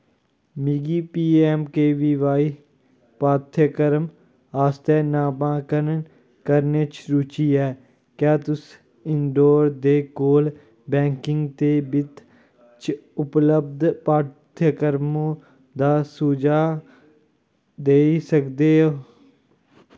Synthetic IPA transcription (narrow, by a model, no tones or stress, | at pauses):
miːɡiːpiːɛːmkeːʋiːʋaːiː | paːt̪ʰəkəɾəm | aːst̪ɛːnaːbãːkənə | kəɾneːt͡ʃɾuːt͡ʃiːɛː | kjaːt̪ʊs | ɪɳɖoːɾd̪eːkoːl | bɛ̃ːŋkɪŋɡt̪eːbɪt̪ | t͡ʃʊpləb̚d̪paːt̪ʰəkəɾmõː | d̪aːsuːd͡ʒaː | d̪eːisəkd̪eːo